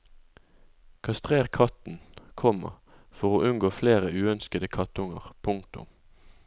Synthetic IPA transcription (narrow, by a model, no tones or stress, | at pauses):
kʰɑst̪ʁeːʁkʰɑt̪n̩kʰɔmə̰ʁ | fɔʁoːʔʉnɡoːfleːʁəʉːœnskəd̪əkʰɑt̪ʊŋəʁpʰʊŋk̚t̪ʊ̰m